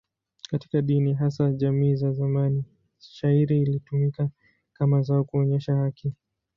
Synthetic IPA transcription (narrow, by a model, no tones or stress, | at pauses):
kati̥kaɗiniɦasaʄamiːzazamani | ʃaiɾiːlitumika | kamazaɔkuɔɲɛʃahakʰi